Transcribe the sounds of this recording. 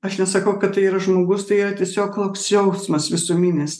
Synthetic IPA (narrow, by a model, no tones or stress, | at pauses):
ɐʃnʲɛsɐkɐʊkɐt̪tːɐɪiːɾɐʒmoːɡʊst̪ɐɪiːɾɐt̪ʲiɛsʲoːkt̪oːksjɛʊsmɐsʋʲɪsumʲɪnʲes